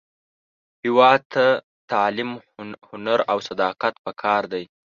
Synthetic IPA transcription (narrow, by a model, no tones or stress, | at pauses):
hɪwɑt̪ʰa | t̪ɑlɪmhʊnaɾawsad̪ɑqat̪̚pəkʰɑɾd̪aj